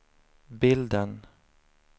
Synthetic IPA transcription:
bɪld̪ən

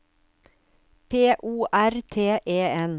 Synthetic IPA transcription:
pʰeːʔuːʔæɾt̪ʰeːʔeːɛn

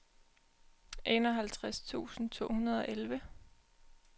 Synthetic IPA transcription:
ʔe̝nɒ̽ɦælt͡sʰʁast͡sʰṵːsn̩t͡sʰo̝̰ːhunɐð̞ˠɒ̽ʔelʋə

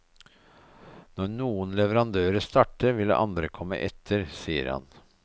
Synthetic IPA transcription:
nɔɳuːənlɛʋəɾɑnd̪øːɾəst̪ɑːʈəʋɪlə̰ʔɑnd̪ɾəkʰɔmːə̰ʔɛt̪ʰəɾsiːə̰ɾhɑ̰n

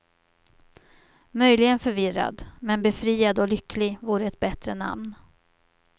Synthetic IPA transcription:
mœjlɪɡənfœɾvɪɾa̰d̪mɛnbɛfɾiːad̪ɔlʏkːlɪɡvuːɾəɛt̪̚bɛt̪ɾəna̰mn

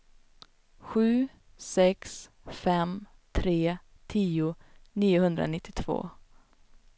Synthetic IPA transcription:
ɧʉ̟ː | sɛks | fɛmt̪ʰɾeː | t̪ʰiːʊniːʊhɵnd̪ɾa̰nɪt̪ʰːɪt̪ʰv̥o̰ː

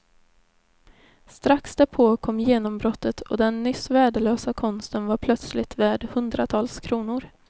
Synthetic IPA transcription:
st̪ɾaksd̪æɾpʰoːkʰɔmːjeːnɔmbɾɔt̪ːət̪ʰɔ̰d̪ɛnːʏsvæːɖəløːsakʰɔnst̪ənvaɾpʰlœt̪slɪt̪væːɖhɵnd̪ɾat̪ʰɑːlskʰɾuːnʊɾ

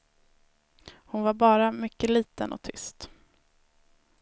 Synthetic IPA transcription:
hʊnvaɾbɑːɾamʏkːəliːt̪ənɔ̰t̪ʰʏ̰st̪

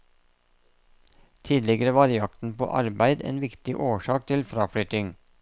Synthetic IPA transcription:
t̪ʰiːd̪lɪɡəɾəʋɑːɾjɑkt̪n̩po̰ːʔɑ̰ɾbæɪd̪ḛːnʋɪkt̪ɪʔoːʃɑːk̚t̪ʰɪlfɾɑːfɽʏt̪ɪŋ

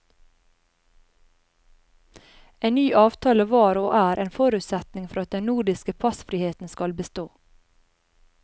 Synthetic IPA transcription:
eːnnyːʔɑːʋt̪ʰɑːləʋɑːɾʊʔæːɾʔeːnfɔɾʉt̪sɛt̪nɪŋfɔɾɑt̪̚d̪ɛnnuːɖɪskəpʰɑsfɾɪheːt̪n̩skɑlbəst̪oː

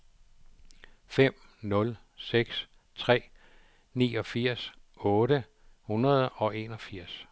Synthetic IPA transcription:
fem̰ | nɔ̽l | seɡ̥s | t͡sʰʁɛ̰ː | nḭːɒ̽fiɐ̰sɔ̽ːɾə | hunɐð̞ˠɒ̽e̝ːnɒ̽fiɐ̰s

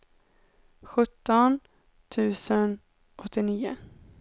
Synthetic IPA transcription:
ɧɵt̪ːɔn | t̪ʰʉ̟ːsən | ɔt̪ʰːɪniːʊ̰

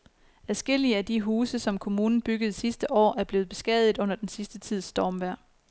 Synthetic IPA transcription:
æsɡ̥e̝l̰iəæd̥iɦuːsəsɒ̽mkʰo̝muːnn̩b̥yɡ̥əð̞̩ˠsisd̥əʔɒ̰ːæɐb̥le̝ːð̩ˠb̥e̝sɡ̥ɛðˠð̩ˠɔ̽n̰ɐd̥ensisd̥ət͡sʰið̰ˠsd̥ɒːmʋæɐ̰

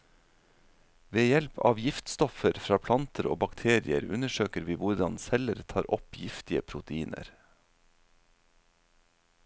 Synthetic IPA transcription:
ʋeːjɛlpʰɑ̰ːʋjɪft̪st̪ɔfəɾfɾɑːpʰlɑnt̪ʰəɾo̰ːbɑkt̪ʰeːɾɪə̰ɾʉnəʃøːkəɾʋiːʋʊɾɖɑnsɛləɾt̪ʰɑːɾʔɔpjɪft̪ɪəpʰɾʊt̪əiːnə̰ɾ

